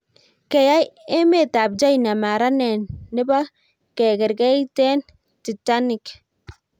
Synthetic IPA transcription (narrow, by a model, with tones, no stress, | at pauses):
ke˨ja˦je˦me˦˨ta˨bd͡ʒa˦jna˨ma˨ɾa˦ne˨nːɪ˦ba˦ | ke˨ɡɛ˨ɾɡe˦jte˦n | ti˨ta˦nɪ˨k